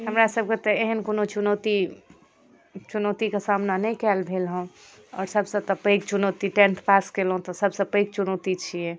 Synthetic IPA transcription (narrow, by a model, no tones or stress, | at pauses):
ɦəmɾasəb̚ʱket̪ɔeɦənkonot͡ʃunot̪i | t͡ʃunot̪ikesamnanɛjkɛlbʱelɦũ | ɔ̰ːɾsəbsə̃t̪ɔpəjkt͡ʃunot̪iʈẽnt̪ʰpaskelɦũt̪ɔsəbsə̃pəɪk̚t͡ʃunot̪it͡ʃʰijɛ